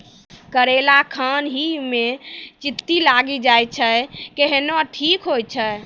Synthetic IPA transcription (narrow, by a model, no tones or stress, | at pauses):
kəɾelakʰənɦimet͡ʃit̪ːilaɡid͡ʒajt͡ʃʰəkeɦenaʈʰikɦojt͡ʃʰə